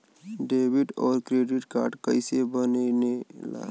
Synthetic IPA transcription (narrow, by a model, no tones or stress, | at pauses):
ɖeːbiʈɔːɾkɾeːɖɪʈkaːɾɖkəɪsebənenela̰ː